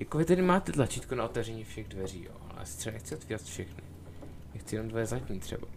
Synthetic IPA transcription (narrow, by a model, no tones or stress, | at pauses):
jakovɪt̪ɛdɪmaːt̪ɛt̪lat͡ʃiːt̪kunaot̪ɛvrɛɲiːfʃɛɣdvɛrḭːjo̰ | a̰sɪ̥t̪sɛaɛxt͡sɪot̪viːɾat̪fʃɛxnɪ | nɛxt̪t͡sɪjɛnomdvɛzatɲit̪r̥ɛ̰ba